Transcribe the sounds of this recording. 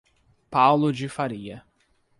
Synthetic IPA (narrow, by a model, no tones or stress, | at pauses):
pawlʊd͡ʒɪfaɾiɐ